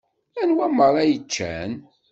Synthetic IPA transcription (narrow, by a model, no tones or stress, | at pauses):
ænwæməɾˤæjət͡ʃːæ̰n